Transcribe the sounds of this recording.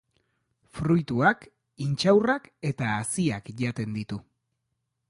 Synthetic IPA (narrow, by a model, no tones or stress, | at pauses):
fɾujt̪uak | int͡ʃawrake̞t̪aːsiakʝat̪e̞nd̪it̪u